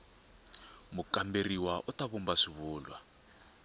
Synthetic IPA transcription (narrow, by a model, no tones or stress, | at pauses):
mukamberiwaʔɔtaβumbaʂiβuːlwa